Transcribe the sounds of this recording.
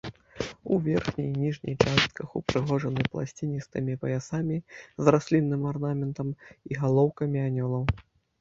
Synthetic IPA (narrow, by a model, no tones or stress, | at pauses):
uvʲɛrxnʲijnʲiʐnʲḭjt͡ʂast̪̚kɐxupɾɨɣɔʐɐnɨplˠa̰sʲt͡sʲinʲist̪ɨmʲipɐjasamʲizrasʲlʲinːɨmarnamʲɛnt̪ɐmiɣalˠɔwkɐmʲianʲɔlˠɐw